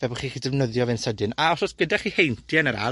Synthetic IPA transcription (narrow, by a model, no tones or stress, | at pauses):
vɛbʊχiːχiːdɛvnəðjɔvɪnsədɨnaɔsɔsɡ̥ədaχiːhejntʰjɛnəɾa̰